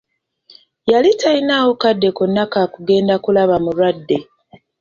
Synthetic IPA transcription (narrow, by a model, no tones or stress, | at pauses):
jalitainaːwo̞kadːe̞konːakaːkuɡe̞ːndakulaβamulwadːe̞